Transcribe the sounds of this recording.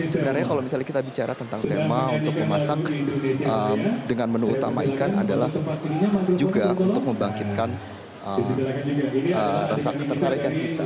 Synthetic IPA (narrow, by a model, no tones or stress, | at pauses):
səbənarɲakalawmisalɲakit̪abit͡ʃaɾat̪ənt̪aŋt̪emaunt̪ʊk̚məmasakʔəmdəŋanmənuut̪ama̰ikana̰dalah | d͡ʒuɡaʔṵnnt̪ʊk̚məmbaŋkit̪̚kan | ʔə | əɾasakət̪ərt̪aɾikankit̪a